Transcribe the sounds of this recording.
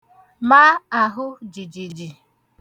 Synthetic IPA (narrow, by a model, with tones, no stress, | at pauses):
ma˦a˨ɦʊ˦d͡ʒi˨d͡ʒi˨d͡ʒi˨